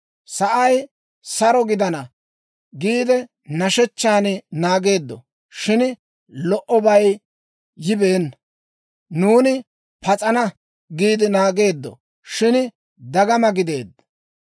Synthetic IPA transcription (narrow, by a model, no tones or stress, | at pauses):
sɐʔɐj | sɐɾɔɡɪd̪ɐnɐ | ɡiːd̪ɛ | nɐʃɛt͡ʃːaːnnaːɡe̞ːd̪ːɔ̰ | ʃɪn | lɔʔɔbɐj | jɪbeːnː | nuːnɪ | pɐt͡sʼɐnɐ | ɡiːd̪ɪnaːɡe̞ːd̪ːɔ̰ | ʃɪn | d̪ɐɡɐmɐɡɪd̪e̞ːd̪ːɐ̥